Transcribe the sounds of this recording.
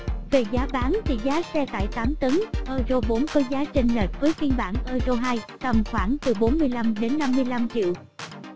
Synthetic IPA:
ve˨˩zaː˨˦ɓaː˨˦nt̪ʰḭ˧˩zaː˨˦sɛ˧t̪a̰ː˧˨jt̪aː˨˦mt̪ə˨˦ŋʔəː˧zo˧ɓo˨˦nkɔ˨˦zaː˨˦t͡ɕï˧˩ŋ̟le˨˩t̚vəː˨˦jki˧ənɓa̰ː˧˩nʔəː˧zo˧ɦaː˧j | t̪ə˨˩mxwaː˧˩ŋt̪ɨ˨˩ɓo˨˦nmɨ˧əjla˧mɗe˨˦nːa˧mːɨ˧əjla˧mt͡ɕḭ˧˨w

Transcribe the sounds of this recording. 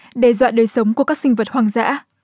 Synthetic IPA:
ɗe˨˩zwa̰ː˧˨ɗəː˨˩jsə˨˦wŋ͡mku˧˩əkaː˦˥ksï˧ŋvə˨˩t̚hwaː˨˩ŋza̰ː˧˥

